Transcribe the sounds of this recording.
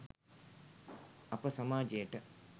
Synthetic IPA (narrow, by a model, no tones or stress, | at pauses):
apəsamaːd͡ʒejəʈə